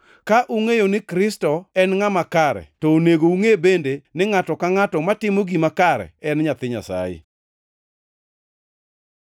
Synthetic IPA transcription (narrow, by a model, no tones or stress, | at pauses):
kaʔuŋejonɪkɾɪstɔɛnŋamakaɾɛ̰tɔoneɡouŋebendenɪŋatɔkaŋatɔmatɪmoɡimakaɾɛ̰ɛnɲat̪ɪɲa̰sa̰jɪ̰